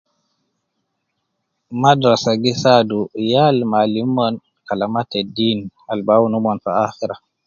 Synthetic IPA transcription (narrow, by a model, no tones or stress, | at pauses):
madɾasaɡisadujalmalimɔn | kalamatedinalbawunumɔnfaaxiɾa